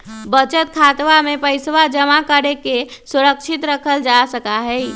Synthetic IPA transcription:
bət͡ʃət̪̚kʰat̪ʋamepəɪsʋad͡ʒəmakəɾekesuɾəkt͡ʃʰit̪ɾəkʰəld͡ʒasəkaɦɛj

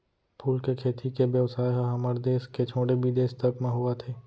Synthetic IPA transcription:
pʰuːlkekʰeːt̪ʰikebjəʋsaːjɦaɦɐməɾd̪eːsket͡ʃʰoːɽebʱid̪eːst̪əɾkmẽɦʊat̪ʰeː

